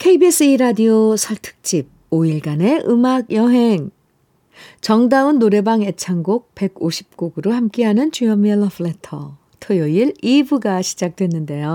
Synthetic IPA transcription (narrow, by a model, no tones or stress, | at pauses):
kʰeibes͈ɯiɾadiosʰʌɭtʰɯ̥k̚t͡ɕ͈ib̚ | oiɭɡane̞ʔɯmaɡjʌɦe̞ŋ | t͡ɕʌŋdaunːoɾe̞baŋe̞t͡ɕʰaŋɡok̚pe̞ɡoɕʰi̥p̚k͈oɡɯɾohamk͈eɦanɯnt͡ɕujʌmieɭːʌfʰɯɭetʰʌ | tʰojʌiɾibuɡaɕʰid͡ʑak̚t͈we̞nːɯnde̞jo